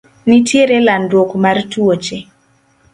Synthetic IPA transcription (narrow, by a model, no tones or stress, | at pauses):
nitjeɾelandwokmartuot͡ʃe